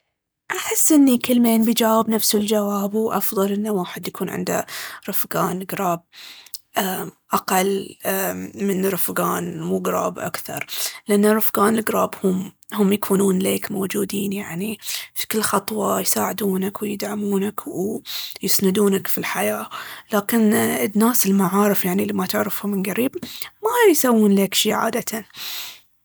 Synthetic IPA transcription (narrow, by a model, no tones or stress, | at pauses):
ʔaħɪsːʔɪnːikɪlːmeːnbid͡ʒaːwɪbnafsɪld͡ʒawaːbwʔɑfðˤɑlʔɪnːawaːħɪd̪jakʰuːnʕɪ̰nd̪a̰ɾɨfɡaːnɡɾˤɑːb̚ʔaʔaqɑlː | mɪnɾɨfɡaːnmuɡɾˤɑ̰ːbʔa̰kθɑ̰ɾˤlɪʔanːarʊfɡaːnɪlɡɾˤɑːbhʊm | hʊmjakʰuːnuːnleːkmoːd͡ʒuːd̪iːnjaʕnifi̥kɪlːxɑt̪ˤwɑjsaːʕɪd̪uːnakwɪjɪd̪ʕamuːnakʰwjɪsnɪd̪uːnakfilħajaːlaːkɪnɪnːaːsɪlmaʕaːɾɪfjaʕnilimat̪ɪʕɾɪfhʊmɪnɡaɾiːbmajsawːuːnlekʃiːʕa̰ːd̪at̪a